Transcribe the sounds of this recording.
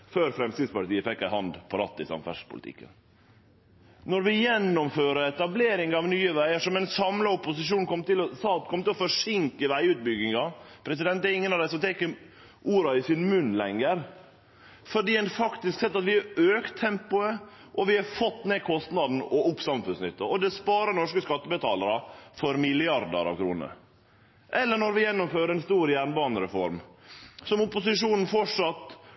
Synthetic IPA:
føːɾfɾɛmsɪːd̪spɑʈ̪iːəfɛkːæɪhɑnd̪pʰɔɾɑ̰t̪ːɪsɑ̰mfæ̰ʂpʰʊlɪ̰t̪ɪ̰kːə̰n | nɔɾʋɪjɛnːɔmføːɾəɾɛt̪ɑbleːɾɪŋɑʋnyːəʋæɪəʂɔmɛnsɑmləʊpʊsɪʂuːnkʰɔmːt̪ɪlɔsɑːt̪kʰɔmːt̪ɪlɔfɔʂɪŋkəʋæɪʉːt̪̚bʏɡɪŋɑpʰɾɛs̬ɪd̪ɛnt̪̚d̪ɛɾɪŋːənɑʋd̪æɪsɔmt̪ʰɛkːə | ʔuːɾɑɪsɪnmʉnːlɛŋːəɾ | fɔɖiːɛnfɑkt̪ɪsksɛt̪ːɑt̪ʋɪɑøːkt̪ʰːɛmpʊə | ʔɔʋɪhɑɾfɔt̪ːneːkʰɔst̪nɑd̪n̩ɔʊpsɑmfʉnsnʏt̪ːɑɔd̪ɛspɑːɾənɔʂkəskɑt̪ːəbət̪ʰɑːləɾɑfɔɾmɪlɪɑɾd̪ə̰ɾɑ̰ʋkʰɾṵːnə̰ɾ | ʔɛlːəɳɔɾʋɪjɛnːʊmføːɾəɾɛnst̪uːɾjæɳbɑːnəɾɛfɔɾmsɔmʊpʊsɪʂuːnn̩fɔʈʂɑt̪ː

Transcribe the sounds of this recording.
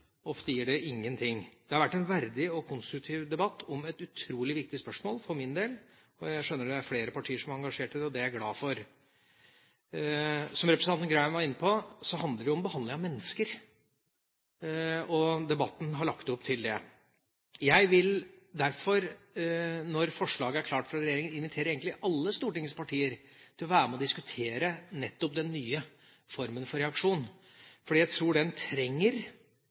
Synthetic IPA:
ɔft̪əjɪːɖɛɪŋːənt̪ʰɪŋd̪̥ɛhɑɾʋæʈːɛnʋæɾd̪ɪɔkʰʊnst̪ɾʉk̚t̪ʰiːʋd̪ɛbɑt̪ʰːɔmɛt̪ʉt̪ʰɾuːlɪʋɪk̚t̪ɪspœʂmoːlfɔɾmɪnd̪eːl | ɔjæɪʂœnːəɖ̪ɛæɾfleːɾəpɑʈʰiːəʂɔmæɾɑŋɡɑʂeːʈəd̪ɛɔd̪ɛæɾɡlɑːfɔɾ | sɔmɾɛpɾsʰɑt̪nɡɾæmʋɑɾɪnːəpʰɔsɔɦɑnd̪əɖɛʊmbəhɑnd̪lɪŋɑmɛnːəskəɾ | ɔd̪ɛbɑt̪ːn̩ɦɑɾɭɑkt̪ɔpːt̪ʰɪld̪ɛ̰ | jæɪʋɪl | d̪æɾfɔɾ | nɔɾfɔʂɭɑːɡəæɾkʰlɑːʈfɾɑɾɛjeːɾɪŋənɪnʋɪt̪ʰeːɾəɾeːɡəɪʔɑlːəst̪uːʈɪŋəspɑʈʰiːəɾt̪ʰɪlɔʋæːɾəmɛɔd̪ɪskʉt̪ʰeːɾənɛt̪ːɔp̚d̪ɛnːyːə | fɔɾmənfɔɾɛɑkʂuːn | fɔɖiːjæɪt̪ʰɾuːɖɛnt̪ʰɾɛŋːəɾ

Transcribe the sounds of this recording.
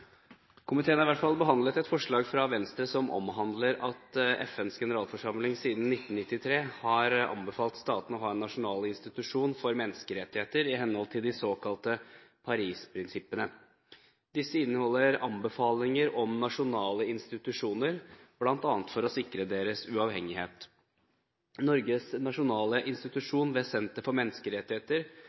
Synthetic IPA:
kʰʊmɪt̪ʰeːənɑɪʋæʈ̪fɑlbəɦɑnd̪lət̪ɛt̪fɔʂɭɑːɡfɾɑʋɛnst̪ɾəsɔmʔɔ̰mɦɑnd̪ləɾɑt̪ɛ̰fɛnsɡɛnəɾɑːlfɔʂɑmlɪŋsiːd̪n̩ːɪt̪ːn̩nɪt̪ːɪt̪ʰɾeːhɑɾɑ̰mbəfɑːlt̪st̪ɑːt̪n̩ɔɦɑːɛnːɑʂʊnɑːlɪnst̪ɪt̪ʉʂuːnfɔɾmɛnəskəɾɛt̪ːɪheːt̪əɾɪɦɛnːəhɔlt̪ʰɪld̪ɪsoːkɑlt̪əpʰɑɾiːspʰɾɪnsɪpːənə | d̪ɪsːəɪnːəhɔlːəɾɑ̰mbəfɑːlɪŋəɾɔmnɑʂʊnɑːləɪnst̪ɪt̪ʉʂuːnəɾblɑnt̪ɑːnət̪fɔɾɔsɪkɾəd̪eːɾəsʉɑːʋhɛŋːɪheːt̪ | nɔɾɡəsnɑʂʊnɑːləʔɪnst̪ɪt̪ʉʂuːnʋɛsɛnt̪əfɔɾmɛnːəskəɾɛt̪ːɪheːt̪əɾ

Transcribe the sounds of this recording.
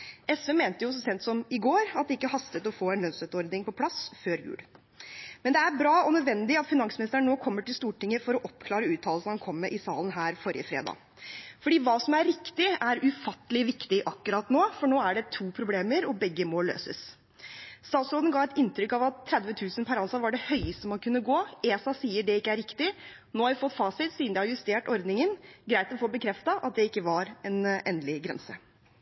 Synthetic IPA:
ɛsʋɛmeːnt̪əjʊsɔsɛnt̪sɔmɪɡoːɾɑt̪̚d̪ɛɪkːəhɑst̪ət̪ɔfoːɛnlœnsœʉt̪ɔɾd̪nɪŋpɔpʰlɑsføːɾjʉ̰ːl | mɛnd̪ɛæɾbɾɑːɔnœd̪ʋɛnd̪ɪɑt̪fɪnɑŋsmɪnɪst̪əɾɳɳːoːkʰɔmːəʈɪlst̪uːʈɪŋːəfɔɾɔʔɔpkʰlɑːɾəʉːt̪ʰɑːləsnhɑnkʰɔmːɛʔɪsɑ̰ːlənɦæːɾfɔɾɪ̰ə̰fɾḛːd̪ɑ̰ː | fɔɖiːʋɑːsɔmæɾːɪkt̪ɪæɾʉfɑt̪ːəlɪʋɪkt̪ɪʔɑkːʉɾɑt̪noːfɔɳoːæɖɛt̪ʰuːpʰɾʊbleːməɾɔbɛɡːəmoːlːø̰ːsə̰s | st̪ɑːt̪sɾoːd̪n̩ɡɑːɛt̪ɪnt̪ɾʏkːɑʋɑt̪ʰːɾɛd̪ʋət̪ʰʉːsənpʰæɾɑnsɑʋɑɖɛhœʏəst̪əmɑnkʰʉnːəɡoːeːsɑsiːəɖɛɪkːəæɾɪkt̪ɪ | noːhɑɾʋɪfɔt̪ːfɑːsɪt̪siːnd̪ɛhɑɾjʉst̪eːʈɔɾd̪nɪŋənɡɾæɪt̪lfoːbəkʰɾɛft̪ɑʔɑt̪̚d̪ɛɪkːəʋɑɾɛnʔɛ̰ːnlɪɡɾɛ̰nsə

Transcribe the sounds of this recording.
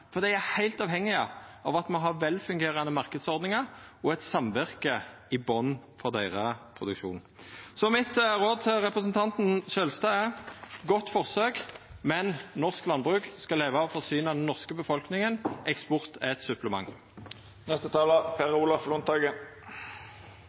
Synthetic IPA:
fɔʁd̪ɛɪæhæɪlt̪ɑːʋhɛŋːɪɑɑʋɑt̪mɑnɦɑʁʋɛlfʉŋɡeːʁɑnəmɑʁkəd̪sɔʁd̪nɪŋɑʁɔɛt̪sɑmʋæʁkə | ɪbɔnfɔʁd̪æɪʁəpʰʁʊd̪ʉkʃṵːnn̩sɔmɪt̪ʁoːd̪ʁɛpʁəsnt̪ʰɑnt̪n̩ʃølst̪ɑɛʁɡɔt̪ːfɔʁsøːɡmɛnnɔʁsklɑnbʁʉːkskɑlːeːʋɑɔfɔʁsyːnɑd̪ɛnːɔʁskəbəfɔlknɪŋənʔɛkspɔʁt̪ɛt̪sʉpləmɑ̰ŋː | nɛst̪ət̪ʰɑːləpʰeːʁəʊlɑflʊnt̪ɑɡə

